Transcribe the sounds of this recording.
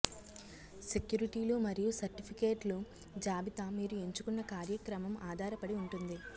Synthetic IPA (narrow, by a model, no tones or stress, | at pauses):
sekjuːɾiʈiːlumɐɾijusɐɾʈipʰikeːʈlu | d͡ʒaːbit̪amiːɾue̞ɲt͡ʃukunːɐkaːɾjɐkɾɐmɐmaːd̪ʱaːɾɐpɐɽiuɳʈund̪i